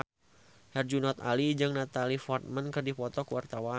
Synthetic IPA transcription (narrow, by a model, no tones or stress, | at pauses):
hɛrd͡ʒunɔt̪a̰lid͡ʒɨŋnat̪alifɔrt̪̚mənkɨrdipɔt̪ɔkəwart̪awa